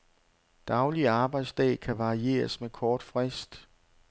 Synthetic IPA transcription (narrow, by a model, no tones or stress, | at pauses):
d̥ɑ̈ʊliɑ̈ːb̥ɑ̈ɪd̥sd̥ɛ̰ːkʰæʋɑ̈ʁie̝̰ːɐsmekʰɒːd̥fʁɛsd̥